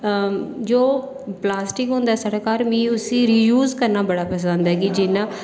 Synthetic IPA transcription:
d͡ʒoː | plaːsʈɪkɦʊ̃ːnd̪aɛːsəʈkaːɾmĩːʊsĩːɾiːjuːzkəɾnaːbəɽaːpəsə̃nd̪ɦɛːɡid͡ʒɪnãː

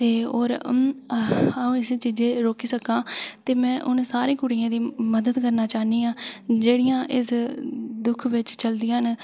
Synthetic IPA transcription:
t̪eːoːɾ | ũɪst͡ʃiːd͡ʒẽːɾoːkiːsəkãːt̪eːmɛ̃ːʔʊnsaːɾẽːkʊɽiãːd̪iːməd̪əd̪kəɾnaːt͡ʃaːɦniːãːd͡ʒeːɽɪjãːʔɪsd̪ʊkʰʋɪt͡ʃt͡ʃəld̪ijãn

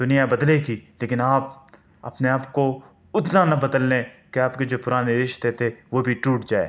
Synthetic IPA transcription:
d̪̥ʊnijabɐd̪lekileːkɪnaːp̚ | ɐ̰pneaːpko | ʊt̪nanɐbɐd̪əlːẽkeaːpked͡ʒoːpʊɾaːneɾɪʃt̪et̪ʰeʋobʱiʈuːʈd͡ʒaːḛː

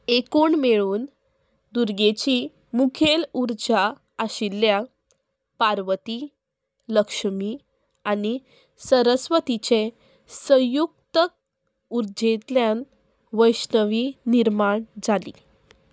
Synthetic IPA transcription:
ekuːɳmeɭuːn | d̪uɾɡet͡ɕi | mukʰeluɾd͡ʑaː | ɕilːja | paɾʋət̪i | ləkʂəmi | aɽ̃i | səɾəsʋət̪it͡ɕe | sə̃jukt̪ək̚ | uɾd͡ʑet̪ljan | ʋəjsnəʋiniɾmaɳd͡zalḭ

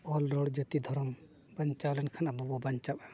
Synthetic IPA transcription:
ɔlːɔɽd͡ʒət̪id̪ʱɔɾɔm | bɐɲt͡ʃawlɛnkʰanabɔbɔbɐɲt͡ʃaba

